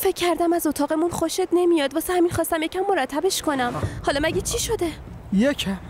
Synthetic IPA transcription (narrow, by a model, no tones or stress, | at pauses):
fecʲʰːæɾd̪æmæzo̞t̪ʰɒːɣe̞munxoʃet̪ne̞mijɒːd̪vɒːsehæminxɒːst̪æmjecʲʰæmːoɾæt̪ʰːæbe̞ʃkʰo̞næmhɒːlɒmæɟʲet͡ʃʰiʃod̪e̞ | jecʰæm